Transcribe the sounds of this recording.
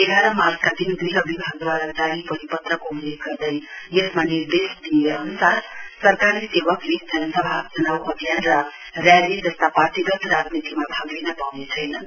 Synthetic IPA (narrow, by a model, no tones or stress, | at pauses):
eɡaɾʌmard͡zkad̪ind̪ujʌbʱibʱaɡ̚d̪waɾat͡saɾipʌɾipʌt̪rʌkoɦulekɡʌrd̪ʌjjesmanird̪esd̪ieʌnusaɾsʌrkaɾisebʌkled̪ʱanʌsʌbʱad͡zʌnawʌɡʱjanrʌ | rjaled͡zʌst̪apart̪iɡʌt̪rad͡znit̪imabʱaɡlenʌpawnet͡sʰʌjnʌn